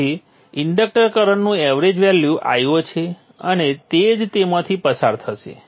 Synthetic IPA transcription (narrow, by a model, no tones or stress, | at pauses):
i | ɪɳɖək̚ʈəɾkəɾəɳnũɛʋɾed͡ʒʋɛljuʔa̰jot͡ʃʰe | ənet̪ed͡ʒt̪emãt̪ʰipəsaɾt̪ʰəʃḛ